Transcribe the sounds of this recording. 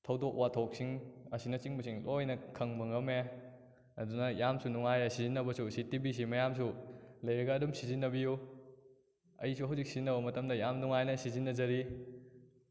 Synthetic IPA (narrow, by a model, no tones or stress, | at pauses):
tʰɐwdok̚watʰok̚siŋɐsinɐt͡ʃiŋbɐsiŋlojnɐkʰɐŋmɐŋɐme | ɐ̰dunɐjamsunuŋajɐsizinːɐbɐsusitibis̬imɐjams̬ulɐjɾɐɡɐːdumsizinːɐbiju | ɐ̰jisuɦɐwzik̚sizinːɐbɐmɐtɐmdɐjamnuŋajnɐsizinːɐzɐɾi